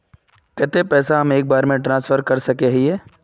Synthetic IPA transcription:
kɛːt̪epɛːsaɦɐmeːk̚baːɾmẽʈɾãːnsfəɾkɐɾsɐkeɦieː

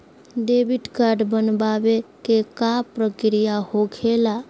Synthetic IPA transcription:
ɖebiʈkaɾɖbənbaʋekekapɾəkɾijahokʰela

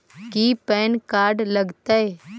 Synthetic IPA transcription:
kipɛːnkaːɾɖlɐɡt̪ae

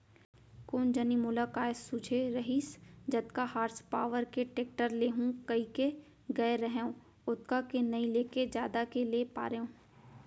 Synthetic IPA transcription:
koːnd͡ʒənimʊlakaːɪsud͡ʒʱeɾɐɦisd͡ʒɐt̪kahaːɾspaːʋəɾkeʈeːk̚ʈəɾleːɦũkɐike | ɡɐeɾəɦeõː | ʊt̪kakenɐĩleːked͡ʒjaːd̪akeleːpa̰ːɾeõː

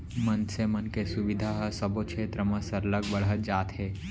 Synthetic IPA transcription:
mənsemənkesʊʋɪd̪ʱaɦəsɐbot͡ʃʰeːt̪ɾəmə̃sɐɾləɡbəɽət̪d͡ʒaːt̪ɦeː

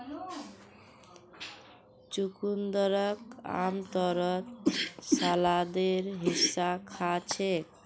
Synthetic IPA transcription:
t͡ʃukund̪ɔɾɔka̰mt̪ɔɾɔt̪salad̪eɾɦisːakʰat͡ʃʰek

